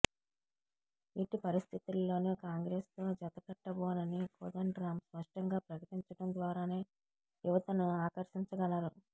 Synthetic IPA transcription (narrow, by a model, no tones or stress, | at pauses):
iʈipɐɾist̪ʰit̪ulːo̞ːneːkaːŋɡɾe̞ːst̪o̞ːd͡ʒɐt̪ɐkɐʈːɐboːnɐnikoːd̪ɐɳɖɾaːmspɐʂʈɐŋɡaːpɾɐkɐʈiɲt͡ʃɐʈɐnd̪ʋaːɾaːne̞ː | juʋɐt̪ɐnuaːkɐɾʃiɲt͡ʃɐɡɐlaːɾu